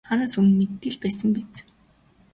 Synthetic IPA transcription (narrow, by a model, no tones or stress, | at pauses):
χanaːsummet̪ːɘ̆ɮpæːsə̆mpet͡s